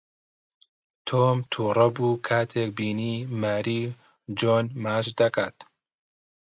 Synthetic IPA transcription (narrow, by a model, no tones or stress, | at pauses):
t̪ʰoːmt̪ʰuːrɐbuːkʰaːt̪ʰeːk̚biːniːmaːɾiː | d͡ʒoːnmaːʃd̪ɐka̰ːt̪